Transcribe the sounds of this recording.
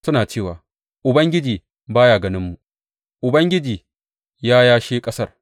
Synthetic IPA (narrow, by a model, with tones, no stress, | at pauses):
sʊ˦naː˨t͡ʃeː˦˨waː˨ | ʔʊ˨bɐ˦ŋɡʲɪ˦d͡ʒiː˨ | baː˦jaː˨ɡɐ˦nɪ˦mːu˨ | ʔʊ˨bɐ˦ŋɡʲɪ˦d͡ʒiː˨ | jaː˦jaː˦ʃeː˦kʼɐ˦sɐ˦˨r